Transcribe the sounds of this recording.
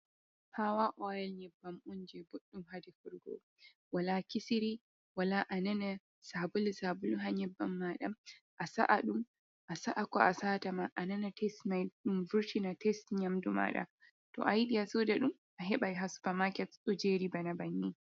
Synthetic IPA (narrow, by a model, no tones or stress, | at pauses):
pʰawaʔɔɛlɲɛbːamund͡ʒɛboɗːumhadɛfuɾɡɔ̰ | walakisiɾi | walaʔanana | sabulsabuluɦaɲɛbːamːaɗa | ʔasa̰ʔaɗum | ʔasaʔakɔ̰ʔasaːtamaʔananatʰɛstmajɗumvuɾtinatɛstɲamduma̰ɗa̰ | tɔ̰ʔajiɗijasoːdaɗum | ʔaɦɛɓajɦasu̥bamakɛtsɔd͡ʒeɾibanabanːi